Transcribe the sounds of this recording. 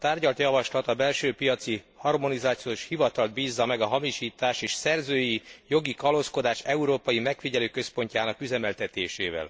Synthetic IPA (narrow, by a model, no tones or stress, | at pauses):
t̪aːrɟɒlt̪jɒvɒʃlɒt̪ɒbɛlʃøːpijɒt̪si | hɒrmo̞nizaːt̪sijoːʃhivɒt̪ɒld̪̚biːzːɒmɛɡɒɦɒmiʃiːt̪aːʃeːʃsɛrzøːjijo̞ɡikɒlo̞sko̞d̪aːʃɛuɾoːpɒjimɛkfiɟɛløːkø̞spo̞ɲcaːnɒkyzɛmɛlt̪ɛt̪eːʃḛːvɛ̰l